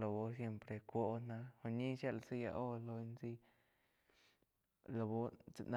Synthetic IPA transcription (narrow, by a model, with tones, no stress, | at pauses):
lo˧bo˦s̬je˧mpɾe˧kʷo˦na˧xo˧ɲi˦ʃa˧lsi˦ja̰˧ʔo˦lo˧nzi˦ | lo˧bo˦t͡sna˧